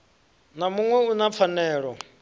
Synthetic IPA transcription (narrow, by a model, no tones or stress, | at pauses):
namuŋwɛunap̪fʰanɛːɺɔ